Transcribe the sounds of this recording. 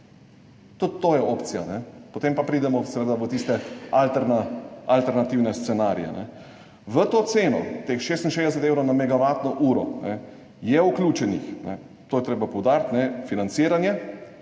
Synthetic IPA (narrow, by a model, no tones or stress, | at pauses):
t̪ut̪t̪ːoːjɛopt̪sija̰nɛpot̪empapɾiːd̪ɛmɔsɛʋed̪aʋət̪ist̪ɛalt̪ɛɾnaalt̪ɛɾnat̪iwnɛst̪sɛnaɾj̰ɛ̰nɛ̰ | ʋət̪oːt̪seːnɔ̰t̪exʃest̪nʃeːzd̪ɛs̬ɛt̪ewɾɔwnamɛɡaʋat̪nɔʔuːɾɔ̰nɛ | jɛuklʲjuːt͡ʃɛnḭxnɛ̰ | t̪oːjɛt̪ɾeːbapɔwd̪aːɾt̪nɛfinant̪siːɾanjɛ